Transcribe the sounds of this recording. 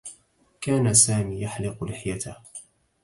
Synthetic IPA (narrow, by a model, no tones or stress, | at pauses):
kaːnasaːmiːjaħlɪqlɪħjat̪ah